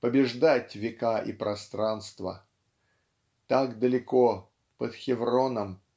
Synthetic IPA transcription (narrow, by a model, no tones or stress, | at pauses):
pəbʲɪʐd̪atʲvʲɪkaʔḭpɾʔɐst̪ɾanst̪və̰ | t̪akd̪əlʲɪko | pət̪xʲɪvɾonəm